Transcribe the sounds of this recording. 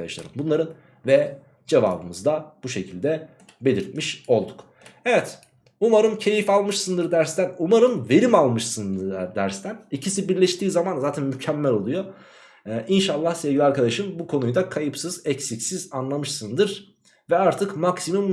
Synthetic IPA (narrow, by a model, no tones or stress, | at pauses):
d̪a̰ʃlˠa̰ɾɯmbunlˠaɾɯn | vɛ | d͡ʒeva̰ːbɯmɯzd̪ab̥uʃe̞cʰilʲd̪ɛ | be̞lʲiɾt̪̚miʃo̞lˠd̪uk | evɛt̪ | umaɾɯmcʰe̞jifalˠmɯʃsɯnd̪ɯɾd̪æɾst̪ænumaɾɯmve̞ɾimalˠmɯʃsɯnd̪d̪æɾst̪ʰænicʰisibiɾlʲɛʃt̪iːzamanzaːt̪ʰænmycʰɛmːɛlʲo̞lˠujo | ʔinʃalˠːahsevɟʲilʲiaɾkad̪aʃɯmbukʰo̞nujd̪akʰajɯpsɯzɛcsicsizanlˠamɯʃsɯnd̪ɯɾ | vɛaɾt̪ʰɯkmaksimum